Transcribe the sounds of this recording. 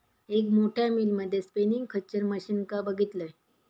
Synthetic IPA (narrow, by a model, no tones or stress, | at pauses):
ekmoʈʰjamilməd̪ʱːjespeniŋɡkʰət͡ɕəɾməɕinkabəɡʱit̪ləj